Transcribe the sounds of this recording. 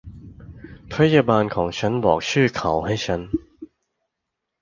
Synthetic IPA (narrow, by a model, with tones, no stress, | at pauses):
pʰa˦˥jaː˧baː˧nkʰɔː˩˦ŋt͡ɕʰa˦˥nbɔ̰ː˨˩k̚t͡ɕʰɯː˥˩kʰa˨˩˦wɦa˥˩jt͡ɕʰa˦˥n